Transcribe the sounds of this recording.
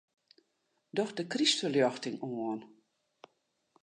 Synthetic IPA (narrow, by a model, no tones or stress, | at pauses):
dɔxdəkristəljɔxtɪŋoən